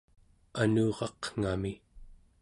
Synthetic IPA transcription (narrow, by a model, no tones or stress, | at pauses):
anuːʁɑqŋ̥ami